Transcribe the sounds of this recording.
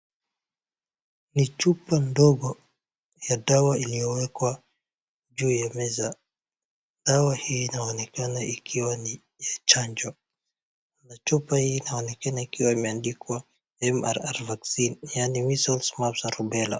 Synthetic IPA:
nit͡ʃupandɔɠɔ | jaɗawailijɔwɛkwa | d͡ʒuːjamɛza | ɗawahiːnaɔnɛkanaʔikʰiwani | jat͡ʃaɲd͡ʒɔ | nat͡ʃupahiːnaɔnɛkanaikiwaimɛandikwa | ɛmaɾaɾvaksinjanimisɔlsmapsaɾubɛla̰

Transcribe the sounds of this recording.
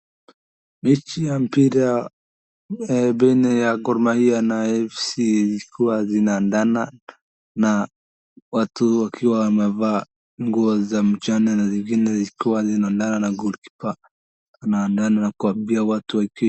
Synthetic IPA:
mit͡ʃijam̩piɾa | bɛnɛjaɡɔɾmahianaɛfsizikʰuwazinaːndana | na | watuwakʰiwawamɛva | ŋɡuɔzam̩t͡ʃanɛnaziŋɡinɛziikuwazinandananaɡulki̥pa | anaːndananakuambiawatuwaki

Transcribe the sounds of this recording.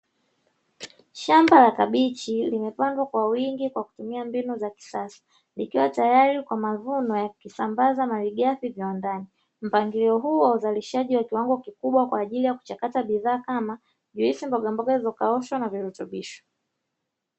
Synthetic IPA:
ʃambalakaɓit͡ʃilimɛpandwakwawiŋɡikwaku̥tumiambinuzaki̥sasḁ | likiwatajaɾikwamaðunɔjakukisambazamaliɠafiviwandani | m̩paŋɡiliɔɦuːwauzaliʃaʄiwakiwaŋɡɔkikuɓwakwaːʄilijaku̥t͡ʃakataɓiðaːkama | ʄuisimbɔɠambɔɡaizɔkaɔʃwanaviɾutuɓiʃɔ̥

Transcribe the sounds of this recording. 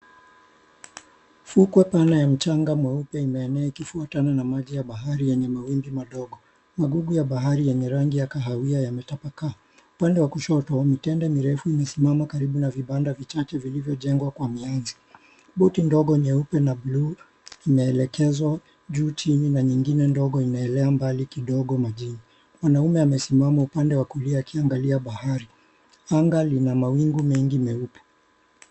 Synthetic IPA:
fukwɛpanajam̩t͡ʃaŋɡamwɛupɛimɛːnɛaikifuatananamaʄijaɓaɦaɾijɛɲɛmawimbimaɗɔɡɔ | maɡuɡujaɓaɦaɾijɛɲɛɾaŋɡijakaɦawiajamɛtapaka | upandɛwakuʃɔtɔmitɛndɛmiɾɛfuimɛsimamakaɾiɓunaviɓandavit͡ʃat͡ʃɛvilivjɔʄɛŋɡwakwamianzi | ɓɔtindɔɠɔɲɛupɛnaɓlu | imɛːlɛkɛzwa | ʄuːt͡ʃininaɲiŋɡinɛndɔɠɔinaɛlɛambalikiɗɔɠɔmaʄini | mwanaumɛamɛsimamaupandɛwakuliaːkiaŋɡaliaɓahaɾi | aŋɡalinamawiŋɡumɛŋɡimɛupɛ̥

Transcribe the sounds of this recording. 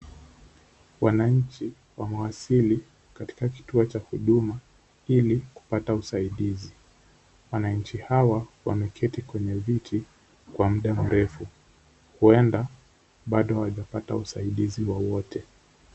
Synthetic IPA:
wanaɲ̩t͡ʃi | wamɛwasili | kati̥kaki̥tuɔt͡ʃahuɗuma | iliku̥patausaiɗizi | wanaɲ̩t͡ʃihawawamɛkʰɛtikwɛɲɛvitʰi | kwam̩ɗam̩ɾɛfu | huɛnda | ɓaɗɔwaʄapata̰usa̰iɗiziwawɔtʰɛ

